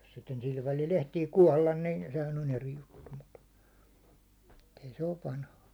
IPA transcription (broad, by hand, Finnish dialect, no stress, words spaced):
jos sitːen sil ʋælil ehtiː kuɒlːɑn nin sehæn on eri jutːu mut t ei se oʋ ʋɑnhɑ